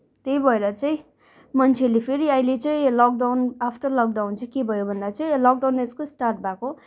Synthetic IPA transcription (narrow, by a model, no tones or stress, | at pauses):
t̪ejbʱʌeɾʌt͡sʌĩ | mʌnt͡sʰelepʰeɾiʌĩlet͡sʌj̃lʌk̚ɖawnapʰʈʌrlʌk̚ɖawnt͡sʰʌkebʱʌjobʱʌnd̪at͡sʌĩlʌk̚ɖawneskosʈarʈ̚bʱako